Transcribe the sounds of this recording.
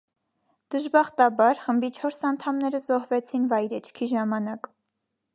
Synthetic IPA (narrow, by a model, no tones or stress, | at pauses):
d̪̥əʒbɑχt̪ɑbɑɾχəmbit͡ʃʰɔɾsɑnt̪ʰɑmnɛɾəzɔhvɛt͡sʰinvɑjɾɛt͡ʃʰkʰiʒɑmɑnɑk